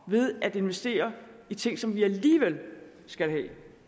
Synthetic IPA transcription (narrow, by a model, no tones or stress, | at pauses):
ʋe̝ð̞ˠæd̥e̝nʋesd̥e̝̰ːɐit͡sʰe̝ŋ̰sɒ̽mʋiæliːʋel̰ | sɡ̥ælɦɛ̰ː